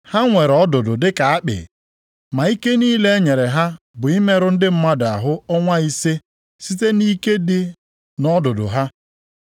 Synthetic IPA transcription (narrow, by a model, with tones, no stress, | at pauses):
ha˦ŋʷe˨ɾɔ˦dʊ˨dʊ˨dɪ˦ka˨a˦k͡pɪ̰˨ | ma˨i˦ke˦niː˦le˦e˦ɲe˨ɾe˨ɦa˦ | bʊ˨i˦me˦ɾʊ˦n̩˦dɪ˦m̩˦ma˦da˨ɦʊ˦ɔ˦ŋʷa˦i˦se˦ | si˦te˦ni˦ke˦dɪ˦ | nɔ˦dʊ˨dʊ̰˨ɦa˦